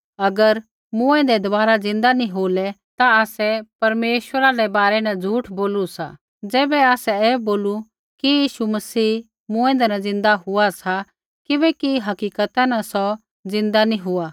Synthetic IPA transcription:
ɐɡəɾ | mʊ̃ɛ̃nd̪ɛd̪ɐbaːɾad͡zɪ̃nd̪anĩɦoːlɛt̪aaːsɛpɐɾmeːʃwəɾaɾɛbaːɾɛnad͡zʱuːʈʰboːlusa̰ | d͡zɛːbɛaːsɛɛːboːlu | kijiːʃumɐsiː | mʊ̃ɛ̃d̪ɛnad͡zɪ̃nd̪aɦʊasa | kɪbɛkiɦɐkiːkət̪anasɔ | zɪ̃nd̪anĩɦʊa

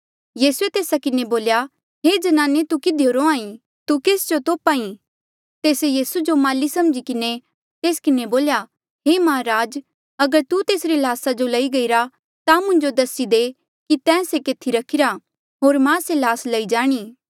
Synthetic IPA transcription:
jiːsuet̪eːsakɪneboːlja | ɦeːd͡ʒɐnaːnet̪ukɪd̪ʱjoɾoãːĩ | t̪ukeːsd͡ʒot̪oːpaːĩ | t̪eːsejiːsud͡ʒomaːlisɐmd͡ʒikɪne | t̪eːskɪneboːlja | ɦemaːɾaːd͡ʒ | ɐɡəɾt̪ut̪eːsɾilaːsad͡ʒolɐiɡɐiɾa | t̪amʊ̃ɲd͡ʒod̪ɐsid̪e | kit̪ɛ̃ːsekeːt̪ʰiɾɐkʰɪɾa | ɦoːɾmãːselaːslɐid͡ʒaːɽ̃iː

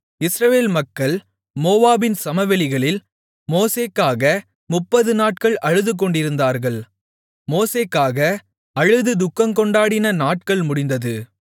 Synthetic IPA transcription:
ɪsɾɐʋeːlmɐkːɐɭ | moːʋaːbɪnsɐmɐʋɛlɪɣɐɭɪl | moːseːkːaːɣɐ | mʊpːɐðɯnaːʈ̚kɐɭʔɐɻɯðɯk̬ːɔɳɖɪɾɯnd̪aːɾɣɐɭ | moːseːkːaːɣɐ | ɐɻɯðɯd̪ʊkːɐmkɔɳɖaːɽɪnɐnaːʈ̚kɐɭmʊɽɪnd̪ɐðɯ

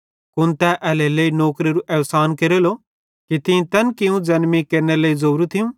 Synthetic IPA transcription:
kʊnt̪ɛʔɛleləinoːkɾiɾuʔɐʋsaːnkeɾelo | kit̪ɪ̃t̪ɐnkɪjũd͡zɐnmikeɾneleːizoɾut̪ʰɪjũ

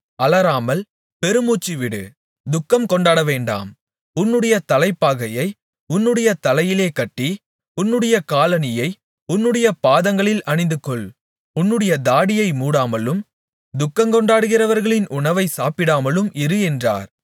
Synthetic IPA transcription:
ɐlɐɾaːmɐl | pɛɾɯmuːt͡ʃːiʋɪɽɯ̰ | d̪ʊkːɐmkɔɳɖaːɽɐʋeːɳɖa̰ːm | ʊnːɯɽɐjɐt̪ɐlɐɪpːaːɣɐjɐɪ | ʊnːɯɽɐjɐt̪ɐlɐjɪleːkɐʈːi | ʊnːɯɽɐjɐkaːlɐnɪjɐɪ | ʊnːɯɽɐjɐpaːðɐŋɡɐɭɪlɐɳɪnd̪ɯkːɔɭ | ʊnːɯɽɐjɐd̪aːɽɪjɐɪmuːɽaːmɐlɯm | d̪ʊkːɐmkɔɳɖaːɽɯɣɪrɐʋɐɾɣɐɭɪnʔʊɳɐʋɐɪsaːpɪɽaːmɐlɯmɪɾɯɛndra̰ːɾ

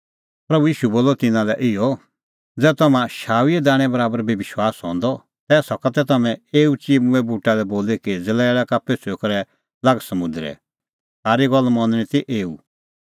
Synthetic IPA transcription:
pɾɐbujiːʃuboːlɔt̪ɪnãlɛʔɪɔ | d͡zɛːt̪ɐmãʃaːwiɛd̪aːɽ̃ɛ̃bɐɾaːbəɾbeʋɪʃwaːsɦɔ̃nd̪ɔ | t̪ɛːsɔkat̪ɛt̪ɐmɛ̃eːut͡ʃiːmũɛbuːʈalɛboːlekɪd͡zɪlɛeɭakapesʰekɔɾɛ | laɡsɐmʊ̃nd̪ɾɛ̰ | saːɾiɡɔlːmɐ̃nñĩt̪iʔeːṵ

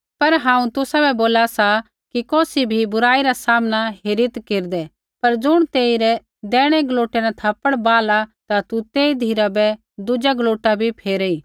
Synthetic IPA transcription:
pɐɾɦãːũt̪ʊsabʱɛboːlasa | kikɔːsibʱibʊɾaːiɾasaːmñaɦeɾɪt̪keːɾd̪ɛ | pɐɾd͡zʊɽ̃t̪eːiɾɛ | d̪ɛːɽ̃ɛɡloːʈɛnat̪ʰɐpəɽbaːlat̪at̪ut̪eːid̪ʱiːɾabɛ | d̪ʊd͡ʒaɡloːʈabʱipʰeːɾɛi

